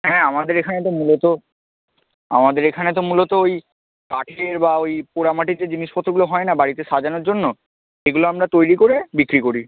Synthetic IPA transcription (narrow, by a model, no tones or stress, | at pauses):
ɦɛ̃amad̪eɾekʰanet̪omulot̪o | a̰mad̪eɾekʰanet̪̬omulot̪ooj | kaʈʰeɾbaojpoɽamaʈiɾd͡ʑed͡ʑiniʃpɔt̪ːɾoɡuloɦɔenabaɽit̪eʃad͡ʑanoɾd͡ʑonːo | eɡuloamɾat̪ojɾikoɾebikɾikoɾi